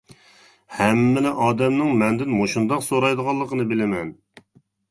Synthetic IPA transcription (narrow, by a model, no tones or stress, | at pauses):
hɛmːɪlɪʔɑːd̪ɛmnɪŋmɛnd̪ɪnmoʃund̪ɑqsoɾɑjd̪əʁɑlˠːəqənɨbɪlɪmɛn